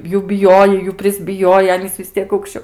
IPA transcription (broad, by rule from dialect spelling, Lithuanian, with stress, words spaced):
ˈjuː bʲɪˈjoːjɛɪ ˈjuː pʲrʲɪzʲbʲɪˈjoːjɛɪ ˈɑːnʲiːs ʋʲɪs ˈtʲiɛk ɐʊkʃʲˈt͡ʃʲoː